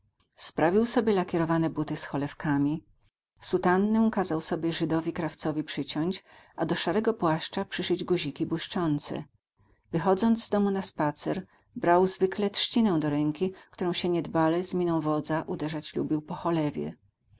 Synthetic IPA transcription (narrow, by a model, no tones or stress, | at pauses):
spɾavʲiwsɔbʲjɛlakʲɛɾɔvanɛbut̪ɘsxɔlɛfkamʲi | sut̪anːɛw̃kazawsɔbʲjɛʐɘd̪ɔvʲikɾaft̪sɔvʲipʂɘt͡ɕɔɲt͡ɕʔad̪ɔʂaɾɛɡɔpwaʂt͡ʂapʂɘʂɘd͡ʑɡuʑikʲibwuʂt͡ʂɔnt̪sɛ̰ | vɘxɔd̪zɔnd̪zd̪ɔmunaspat̪sɛɾ | bɾawzvɘklɛtʂt͡ɕinɛw̃d̪ɔɾɛŋkʲikt̪uɾɔ̃w̃ɕɛɲɛd̪balɛzmʲinɔ̃w̃vɔd̪zaʔud̪ɛʐat͡ɕlṵbʲiwpɔxɔlɛvʲjɛ̰